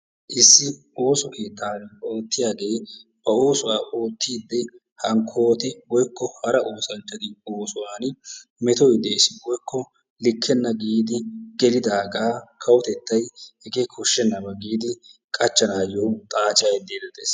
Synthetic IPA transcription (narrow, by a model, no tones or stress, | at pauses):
ʔɪsːɪ | o̞ːsɔke̞ːt̪ʰːaːno̞ːt̪ːɪjaːɡe̞ːb̥ɐo̞ːsʊwaːʔoːt̪ːiːd̪ːɛ | hɐŋkʰːo̞ːt̪ɛwɔjkːɔhɐɾɐʔo̞ːsɐnt͡ʃʼːɐd̪ɪoːsʊwaːnmɛt̪ɔjd̪eːsɪwɔjkʰːɔ | lɪkʰːɛnːɐɡiːd̪ɪɡ̥ɛlɪd̪aːɡaːkʰɐwɔt̪ɛt̪ːɐjhɛɡeːkʰɔʃːɛnːɐbɐɡiːd̪ɪkʼɐt͡ʃːɐnaːjɔwt̪ʼaːt͡ʃʼajd̪eːd̪ɛt̪ḛːs